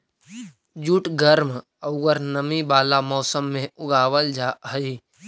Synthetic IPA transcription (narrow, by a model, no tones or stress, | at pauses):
d͡ʒuːʈɡəɾm | əʊɡəɾnəmibaːlamɔːsəmːẽʊɡaːwəld͡ʒaɦəi